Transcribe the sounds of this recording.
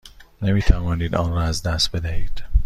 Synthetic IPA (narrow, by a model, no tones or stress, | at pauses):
nemiːt̪ʰævɒːniːd̪ɒːnɾɒːæzd̪æst̪̚bed̪æhiːd̪̥